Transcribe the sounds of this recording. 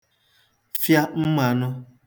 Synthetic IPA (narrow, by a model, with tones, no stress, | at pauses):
fja˦m̩˦ma˨nʊ˦